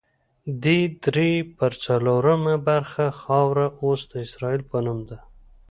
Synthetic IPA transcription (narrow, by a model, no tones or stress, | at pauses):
d̪id̪ɾepəɾt͡saloɾəmabaɾxaxɑwɾaʔosd̪əɪsɾɑilpənumd̪a